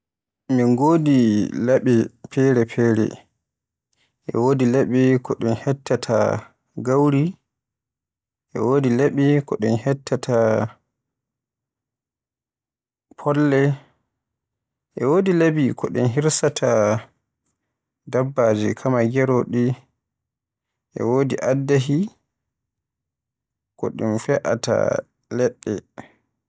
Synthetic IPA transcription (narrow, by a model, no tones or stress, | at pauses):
minɡoːdilaɓipʰɛɾɛpʰɛːɾɛ̰ | ʔɛ̰wodilaɓikɔɗɛnhɛtːatʰa̰ | ɡawɾi | ʔɛ̰woːdilaɓikɔɗɛnhɛtʰːatʰa | pʰɔlːɛ | ʔɛwodilebikɔɗɛ̰nɦiɾsatʰa | dabːaːd͡ʒikʰamaɡɛɾoɗi | ʔɛ̰woːdiʔadːaɦi | kɔ̰ɗɛ̰nfɛʔa̰ta̰ | lɛɗːɛ̰